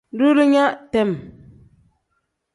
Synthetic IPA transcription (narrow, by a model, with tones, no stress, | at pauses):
du˦ɾɨ˦ɲa˦ʔtɛ˨m